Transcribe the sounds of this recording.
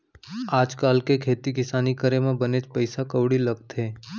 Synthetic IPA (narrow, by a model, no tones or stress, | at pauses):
aːd͡ʒkaːlkekʰeːt̪ikɪsaːnikəɾemãbəned͡ʒpəɪsakəʋɽiləɡ̚t̪ɦeː